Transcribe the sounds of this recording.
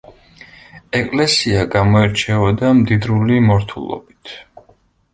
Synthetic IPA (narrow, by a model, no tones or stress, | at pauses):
ɛkʼlɛsiaɡamɔɛɾt͡ʃʰɛvɔd̪amd̪id̪ɾulimɔɾt̪ʰṵlˠɔ̰bit̪ʰ